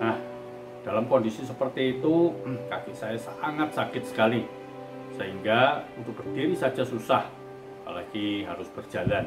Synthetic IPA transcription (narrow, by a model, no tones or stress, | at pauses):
nah | d̥alamkɔndisisəpərt̪iːt̪ukakisajasaŋat̪̚sakɪt̪̚sə̥kali | səɦiŋɡaunt̪ʊk̚b̥ərd̥iɾisad͡ʒasusah | pa̰la̰ɡiɦaɾʊsb̥ərd͡ʒ̥alan